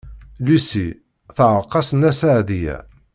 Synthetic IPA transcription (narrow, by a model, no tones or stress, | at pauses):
lusi | θʕəɾˤqɑsənæsaʕðijæ̰